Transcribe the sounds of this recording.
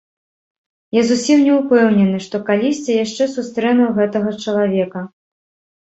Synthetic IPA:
jazusʲimnʲɛupɛwnʲɛnɨʂt̪ɔkalʲisʲt͡sʲɐjaʂt͡ʂɛsust̪ɾɛnɐwɣɛt̪ɐɣɐt͡ʂɐlˠavʲɛkɐ

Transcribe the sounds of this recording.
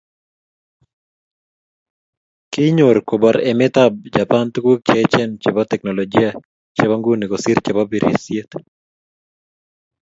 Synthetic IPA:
kɪɲoɾkobaɾɛmɪt̪ab̚d͡ʒapant̪ukwok̚t͡ʃet͡ʃɛnt͡ʃebat̪ɛknɔlɔd͡ʒia | t͡ʃebaŋɡunikosiɾt͡ʃebabiɾḭsjet̪

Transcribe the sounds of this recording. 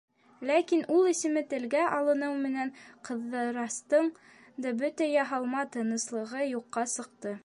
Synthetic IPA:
lækinulˠisɘ̆mɘt̪ɘ̆lɡæʔɑlˠɤ̆nɤwmɘ̆næɴqɤ̆ðːɤɾɑst̪ɤɴ | d̪ɑbɵt̪æjɑɦɑlˠmɑt̪ɤ̆nɤ̆slˠɤ̆ʁɤjuqːɑsɤ̆q̚t̪ɤ

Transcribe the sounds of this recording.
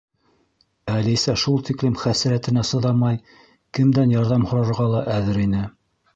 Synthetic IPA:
ælisæʃulˠt̪iklɘmχæsɘ̆ɾæt̪ɘ̆næsɤ̆ðɑmɑj | kɘ̆md̪ænjɑɾðɑmhŏɾɑɾʁɑlˠɑʔæðɘɾinɘ

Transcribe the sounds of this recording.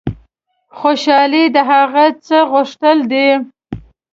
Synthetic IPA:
xoʃɑlid̪əɦaɣat͡səɣʊʂt̪əld̪e

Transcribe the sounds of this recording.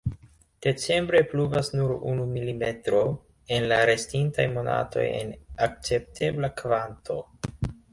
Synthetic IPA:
d̥e̞t͡se̞mbɾe̞pluvasnuɾṵnumilime̞tɾo̞ | e̞nlaɾe̞stintajmo̞na̰tʰo̞̰jḛnak̚t͡se̞p̚tʰe̞blakvantʰo

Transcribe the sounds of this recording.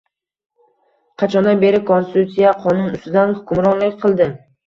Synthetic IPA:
qʰɑt͡ʃʰɒnd̪abe̞ɾɪkʰonsɪt̪ʰut̪sijaqʰɒnʊnʊst̪ɪd̪anhʊkʰʊmɾɒnlɪkʲqʰɨlˠd̪ɪ

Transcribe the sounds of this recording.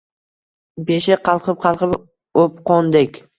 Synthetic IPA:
beʃɪqʰɑlˠqʰɨp̚qʰɑlˠqʰɨp | opqond̪ekʲ

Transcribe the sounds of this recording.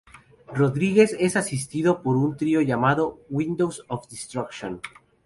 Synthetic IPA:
roðɾiɣesesasist̪iðopoɾunt̪ɾioʝamaðowind̪owsofd̪ist̪ɾakʃon

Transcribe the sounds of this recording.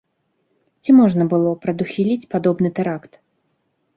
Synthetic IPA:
t͡sʲimɔʐnɐbɨlˠɔpɾɐd̪uxʲilʲit͡sʲpad̪ɔbnɨt̪ɛɾakt̪

